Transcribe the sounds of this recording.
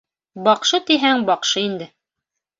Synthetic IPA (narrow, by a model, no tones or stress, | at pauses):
bɑqʃɤt̪iɦæŋbɑqʃɤind̪ɘ